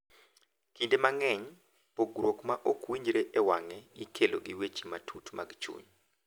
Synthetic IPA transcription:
kindemaŋɛɲ | poɡɾokmaʔokwiɲd͡ʒɾeʔɛwaŋɛɡikʰeloɡiwet͡ʃi̥matʰutma̰ɡt͡ʃṵɲ

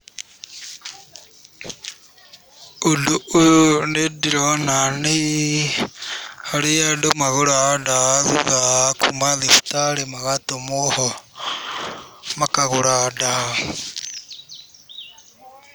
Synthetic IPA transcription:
odoojonediɾɔnane | aɾeadomaɣoɾadaðuðakṵmaðiftaɾemaɣatomohɔ | makaɣoɾada

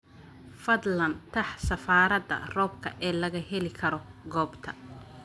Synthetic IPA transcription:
fɐd̪lɐnt̪ʰɐħsɐfaːɾɐd̪ɐ̰rɔːb̚kʰɐʔɛːlɐɣɐɦɛlɪkʰɐɾɔɡɔːbt̪ʰɐ

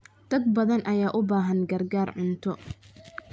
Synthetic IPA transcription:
d̪̥ɐd̪̚bɐðɐnʔɐjaːʔʊbaːɦɐnɡɐrɡaːrʕʊnt̪ʰɔ

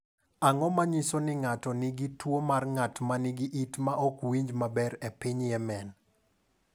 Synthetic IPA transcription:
aŋɔmaɲisonɪŋatɔniɡitwomarŋatmaniɡiʔitmaʔɔkwiɲd͡ʒmabɛɾepɪɲjɛmɛn

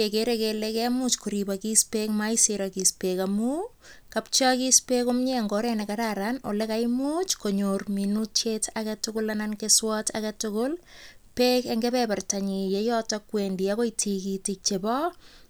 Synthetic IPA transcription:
ekeɾekelekɛmut͡ʃkuɾibakispekmajsiɾakispekamu | kapt͡ʃɔkispekomɲeŋɡɔɾenekaɾaɾano̰lekajmut͡ʃkoɲorminutt͡ʃetʰakatʊkʊlanankeswɔtʰakatʊkʊl | peːkeŋɡepɛpartaɲijejɔtɔkwendiakojtʰikitik̚t͡ʃebɔ

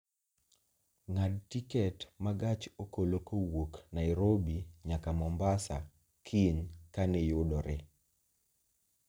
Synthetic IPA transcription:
ŋadtikɛtmaɡat͡ʃokolokowoknaiɾobiɲakamɔmbasa̰ | kʰinkanɛjʊdɔɾɛ

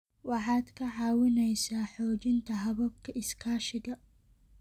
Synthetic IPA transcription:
wɑħɑːd̪kʰɐʕɑːwɪnɛjsaːħɔːt͡ʃɪnt̪ʰɐɦɐβɐb̚kʰɐʔɪskʰaːʃɪɣɐ

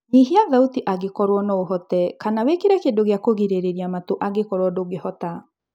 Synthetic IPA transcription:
niɦeaðautiʔaɣekɔɾwɔnaoɦɔtɛkanawekeɾɛkendoɣejakoɣiɾeɾeɾiamatoʔaɣekɔɾwɔdoɣehɔta

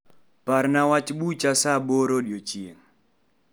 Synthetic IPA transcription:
paɾnawat͡ʃɓut͡ʃasaɓoɾoɗjot͡ʃien

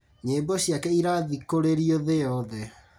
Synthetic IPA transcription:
ɲeːmbɔɕjakɛiɾaðikoɾeɾioðejɔðɛ

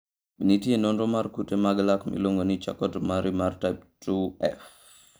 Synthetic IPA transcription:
nitienɔnɾɔmaɾkutemaɡlakmḭloŋɡonit͡ʃa̰kɔtmaɾimartap̚tuɛ̰f

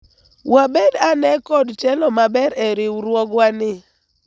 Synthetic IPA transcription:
wabɛdanɛkɔdt͡ʃɛlɔmabɛɾɛɾɪɾwɔɡwanɪ

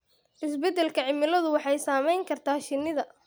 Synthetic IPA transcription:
ʔɪsbɛd̪ɛlkʰɐʕɪmɪlɐðʊwɑħɑjsaːmɛjŋkʰɐrt̪ʰaːʃɪnːɪðɐ

